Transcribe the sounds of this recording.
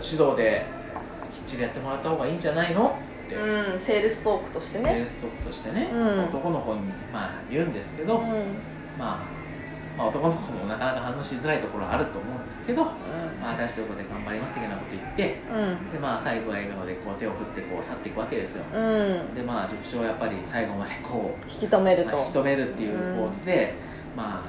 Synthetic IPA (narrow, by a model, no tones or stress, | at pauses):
ɕid̪o̞ːd̪e̞ | kʲi̥t͡ɕːid̪e̞jat̪ːe̞mo̞ɾat̪ːahoːɡaiːɲd͡ʑanaino̞t̪ːe̞ɯ̃seːɾɯ̟sɨ̥t̪oːkːɯ̟̥t̪oɕi̥t̪eneeɾɯ̟sɨ̥t̪o̞ːkːɯ̟̥t̪o̞ɕi̥t̪e̞ne̞maot̪o̞ko̞noko̞ɲ̟i | ma | jɯ̟̃ːnd̪e̞sɨ̥ke̞d̪o̞ | ma | mao̞t̪o̞ko̞nokomo̞nakanakaɦãnːoɕizɨɾait̪o̞ko̞ɾo̞ɡa̰ːɾɯ̟t̪o̞ːmo̞ɯ̟̃nd̪e̞sɨ̥ke̞d̪o̞ | maːt̪aɕit̪okod̪e̞ɡãmbaɾʲimasɨ̥t̪ejonako̞t̪o̞it̪ːẽ̞d̪e̞maːsaiɡo̞βae̞ːɡano̞d̪e̞ko̞ːt̪e̞o̞ɸɯt̪ːe̞ko̞ːsat̪ːe̞ikɯ̟βake̞d̪e̞sɨjo̞̰d̪e̞maːd͡ʑokɯ̟̥t͡ɕo̞ːjapːaɾʲisaiɡo̞mad̪̥e̞kʰo̞ːçi̥kʲit̪omeɾɯtmaçi̥ki̥t̪o̞me̞ɾɯ̟t̪ːe̞jɯ̟ːpo̞ːt͡sɨd̪e̞ | maː